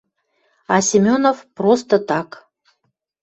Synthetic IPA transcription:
ɑsʲɪmʲonofprost̪ət̪ɑk

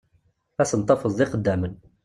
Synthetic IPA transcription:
æsənt̪ˤɑfəzˤd̪iqəd̪ːæmən

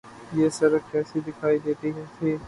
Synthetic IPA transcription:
jesɐɾəfkɛːsid̪ɪkʰaːid̪eːt̪iɦẽt̪ʰiː

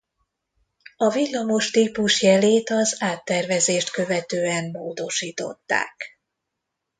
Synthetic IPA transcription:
ɒvilːɒmo̞ʃt̪iːpuʃjɛleːt̪ɒzaːt̪ːɛrvɛzeːʃt̪kø̞vɛt̪øːɛmːoːd̪o̞ʃiːt̪o̞̰t̪ːa̰ːk

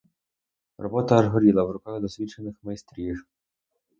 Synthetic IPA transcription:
rɔ̰bɔt̪ɐːʒɦɔɾʲilˠɐwɾʊkaɣd̪ɔsʋʲit͡ʃenɪxmɐjst̪ɾʲiʒ

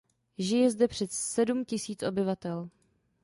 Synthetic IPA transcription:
ʒɪjɛzdɛpr̥ɛsɛdumcɪsiːt͡sʔobɪvat̪ɛl

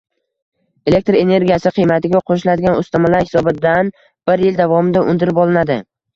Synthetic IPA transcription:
e̞le̞k̚ʲt̪ɾe̞ne̞ɾɡʲijasɪqʰɨjmat̪ɪɡʲaqʰoʃ̬ɪlad̪ɪɡʲanʊst̪amalaɾhɪ̥sɒbɪd̪an | b̥ɪɾjɪld̪avɒmɪd̪aʔʊnd̪ɪɾɪpɒlˠɪnad̪ɪ

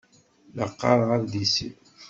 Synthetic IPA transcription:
ləqːɑ̰ɾˤʁəɾd̪isḭ

